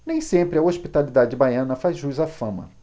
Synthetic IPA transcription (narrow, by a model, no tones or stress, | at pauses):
nẽj̃sẽmpɾɪɐoʃpit̪alid̪ad͡ʒɪbajɐ̃nɐfazʒuzafɐ̃mɐ̰